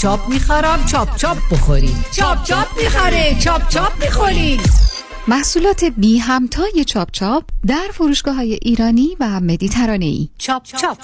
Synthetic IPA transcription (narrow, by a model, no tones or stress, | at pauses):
t͡ʃʰɒːp̚miːxɒːɾæmt͡ʃʰɒːb̚t͡ʃʰɒːb̚boxoɾḭmt͡ʃʰɒːb̚t͡ʃʰɒːbmixæɾet͡ʃʰɒːb̚t͡ʃʰɒːb̚miːxoɾid | mæhsuːlɒːt̪ʰe̞biːɦæmt̪ʰɒːje̞t͡ʃʰɒːp̚t͡ʃʰɒːp̚ʰd̪æɾfoɾuːʃɡ̥ɒːɦɒːje̞ʔiːɾɒːniːvæme̞d̪iːt̪ʰæɾɒːne̞̰ḭː